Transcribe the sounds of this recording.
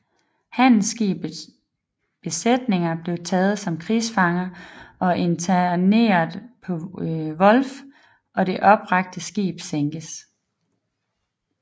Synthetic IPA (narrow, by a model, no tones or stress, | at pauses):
hæn̰l̩sɡ̥ḭːb | b̥e̝sed̥ne̝ŋɐb̥le̝ʊt͡sʰɛːð̞̩ˠsɒ̽mkʰʁiːsfɑ̈ŋɐʔɒ̽ʔe̝nt͡sʰæne̝̰ːɐðˠpʰɒ̽ʋɒ̽lf | ɒ̽ɾe̝ʔɒ̽b̥ʁɑ̈ɡ̥̚d̥əsɡ̥ḭːb̥seŋɡ̥əs